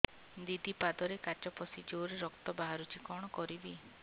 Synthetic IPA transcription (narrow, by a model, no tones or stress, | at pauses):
d̪id̪ipad̪ɔɾekat͡ʃɔpɔsid͡ʒoɾeɾɔkt̪ɔbaɦaɾut͡ʃikɔɽ̃ɔkɔɾibi